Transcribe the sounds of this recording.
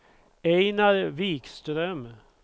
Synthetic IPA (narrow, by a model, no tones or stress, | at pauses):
eɪnɑɾʋiːkst̪ɾœm